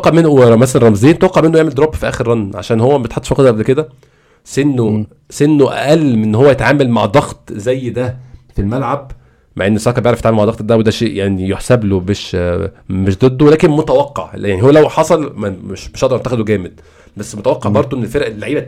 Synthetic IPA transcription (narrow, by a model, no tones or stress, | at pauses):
qːɑʕmenoɾˤɑmæsælænɾˤɑmzˤeːnt̪wɑqːɑʕmenːoeʕmeld̪oɾˤɑb̚t̪fiʔæːxeɾɾɑnːʕa̰ʃæːnhowːæbjet̪ħɑt̪ːʃfɑqːd̪ˤʔæblked̪æ | senːo | senːoʔæ̰ʔælːmenːhowːæjet̪ʕaːmælmaʕd̪ˤɑɣt̪zæjːd̪æfilmælʕab̚ | maʕʔenːosˤɑːkɑbjeʕɾɑfjet̪ʕamelmaʕd̪ɑɣt̪d̪æwed̪æʃeːʔjaʕnijoħsæblomeʃ | meʃd̪ˤed̪ːowelæːkenmot̪æwɑqːɑ̰ʕjaʕnihowːælæwħɑsˤɑlmæmeʃmeʃʔɑʔd̪ɑɾˤʔɑnt̪ːæxæd̪oɡæːmed̪̚ | bæsːmot̪æwɑqːɑʕbɑɾˤd̪ˤoʔenːelfeɾʔelːaʕiːbæ